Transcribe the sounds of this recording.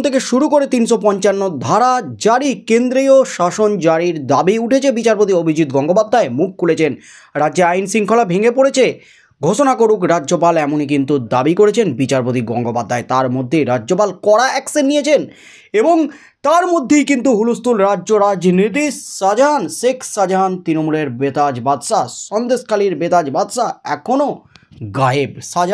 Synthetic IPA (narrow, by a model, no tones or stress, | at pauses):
t̪ʰekeʃuɾukoɾet̪inʃopɔɲt͡ɕanːod̪ʱaɾad͡ʑaɾikend̪ɾioʃaʃond͡ʑaɽiɾd̪abiuʈʰet͡ɕʰebit͡ɕaɾpot̪̬iobʱid͡ʑit̪̚ɡɔŋɡopad̪ʱːaemuk̚ʰkʰːulet͡ɕʰen | ɾadd͡ʑeajnsiŋkʰolabʱiŋepoɽet͡ɕʰe | ɡʱoʃonakoɾukɾadʑopalɛmonik̬int̪ud̪abikoɾet͡ɕʰenbit͡ɕaɾpot̪̬iɡɔŋɡopad̪ʱːaet̪aɾmod̪ʱːeɾad͡ʑd͡ʑopalkɔɽaɛksenːijet͡ɕʰen | eboŋ | t̪aɾmod̪ʱːejkint̪̬uɦulust̪ulɾaʑoɾad͡ʑnit̪̬iad͡ʑanʃekʃad͡ʑant̪ɾinomuleɾbet̪ad͡ʑbad̪ʃaʃɔnd̪eʃkaliɾbet̪ad͡ʑbad̪ʃaɛ̰kʰonoɡaebʃad͡ʑa